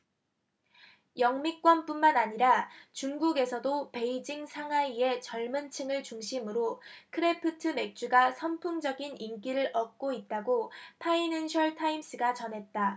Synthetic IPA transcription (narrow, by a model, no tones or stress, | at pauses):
jʌŋmik̚k͈wʌnp͈unmanaɲiɾat͡ɕuŋɡuɡe̞sʰʌdope̞id͡ʑiŋsʰaŋɦaie̞t͡ɕʌɭmɯnt͡ɕʰɯŋɯɭt͡ɕuŋɕʰimɯɾokʰɯɾe̞pʰɯtʰɯme̞k̚t͡ɕ͈uɡasʰʌnpʰuŋd͡ʑʌɡinink͈iɾɯɾʌk̚k͈oit̚t͈aɡotʰainɯnɕʰʌɭtʰaims͈ɯɡat͡ɕʌnɦe̞t̚t͈a